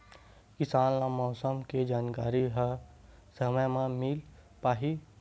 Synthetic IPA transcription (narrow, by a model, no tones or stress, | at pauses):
kɪsaːnlamɔːsəmked͡ʒaːnkaːɾiɦə | səməjmãmil | paːɦi